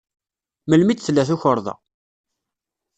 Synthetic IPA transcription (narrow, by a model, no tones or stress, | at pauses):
məlmit͡sθlːæθuçəɾˤðˤɑ̰